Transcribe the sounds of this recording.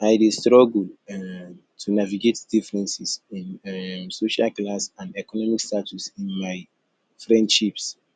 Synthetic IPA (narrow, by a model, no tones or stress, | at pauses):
ajdestɹɔɡul | tʰunaviɡetd̥ifɹɛ̃nsisĩnsoʃalklasãnɛkɔnɔmikstatʰusĩnmaɪ | fɹɛ̃ndʃips